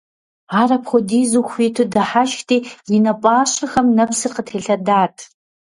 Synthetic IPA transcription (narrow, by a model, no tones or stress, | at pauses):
aːɾɐpχʷɔdiːzuxʷiːtʰɨdɐħaʃtʰʼiːjɪnɐpʼaːɕʼɐxɐmnɐpsɨrqətʰeːɬɐdaːtʰ